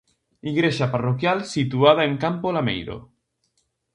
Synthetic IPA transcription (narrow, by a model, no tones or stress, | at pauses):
iɣɾeʃaparokjalsit̪uað̞aeŋkampolamḛjɾo̰